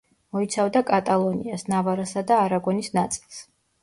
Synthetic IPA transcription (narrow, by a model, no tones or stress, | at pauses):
mɔit̪sʰavd̪akʼat̪ʼalˠɔniasnavaɾasad̪aːɾaɡɔnisnat̪sʼi̥lˠs